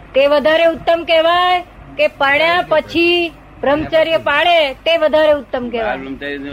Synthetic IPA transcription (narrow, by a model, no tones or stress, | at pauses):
t̪eʋəd̪ʱaɾeʊt̪ːəmkɛʋaj | kepəɳjapət͡ʃʰi | bɾəmt͡ʃaɾjəpaɭet̪eʋəd̪ʱaɾeʊt̪ːəmkɛʋaj